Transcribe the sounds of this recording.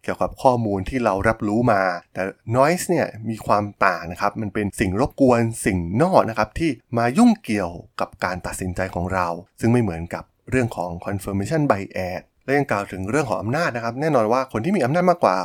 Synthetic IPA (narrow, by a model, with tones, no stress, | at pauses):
ki˨˩əwka˨˩p̚kʰɔː˥˩muː˧nt̪ʰiː˥˩ɾa˧wɾa˦˥p̚ɾuː˦˥maː˧t̪ɛː˨˩nɔː˦˥jsni˥˩ɐmiː˧kʰwaː˧mt̪aː˨˩na˦˥kʰa˦˥p̚ma˧npe˧nsi˨˩ŋɾo˦˥p̚ku˧ənsi˨˩ŋnɔː˥˩k̚na˦˥kʰa˦˥p̚t̪ʰiː˥˩maː˧ju˥˩ŋki˨˩əwka˨˩p̚kaː˧nt̪a˨˩t̪̚si˩˦nt͡ɕa˧jkʰɔː˩˦ŋɾa˧wsɯ˥˩ŋma˥˩jmɯ˩˦ənka˨˩p̚ɾɯ˥˩əŋkʰɔː˩˦ŋkʰɔ˧nfɤː˧me˧t͡ɕʰa˥˩nba˧jʔɛː˨˩t̪̚lɛ˦˥ja˧ŋklaː˨˩wt̪ʰɯ˩˦ŋɾɯ˥˩əŋkʰɔː˩˦ŋʔa˧mnaː˥˩t̪̚na˦˥kʰa˦˥p̚nɛː˥˩nɔː˧nwaː˥˩kʰo˧nt̪i˥˩iː˧ʔa˧naː˥˩t̪̚maː˥˩kwaː˨˩